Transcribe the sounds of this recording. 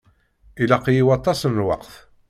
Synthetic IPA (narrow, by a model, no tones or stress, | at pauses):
ilæqjiwɑt̪ˤːɑsənːwɑ̰qθ